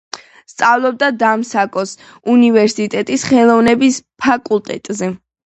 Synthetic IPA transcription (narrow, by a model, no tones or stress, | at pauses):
st̪sʼavlˠɔb̚d̪ad̪amsakʼɔs | univɛɾsit̪ʼɛt̪ʼisχɛlˠɔvnɛbispʰakʼulˠt̪ʼɛt̪ʼzɛ